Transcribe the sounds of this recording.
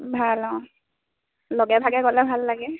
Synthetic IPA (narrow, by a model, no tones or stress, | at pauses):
bʱalɔ̃ | lɔɡɛbʱaɡɛkɔlɛbʱalːaɡɛ